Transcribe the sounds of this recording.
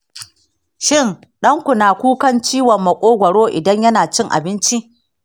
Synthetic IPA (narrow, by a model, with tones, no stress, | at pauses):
ʃɪ˦˨n | ɗɐ˦ŋkʷʊ˨naː˨kʷuː˦kɐ˦nt͡ʃiː˦wɔ˨mːɐ˨kʷʼoː˦ɡʷɐ˨ɽoː˦ʔɪ˨dɐ˦ɲjɐ˦naː˨t͡ʃɪ˦ŋʔa̰˨bɪ˦nt͡ʃi˦ʔ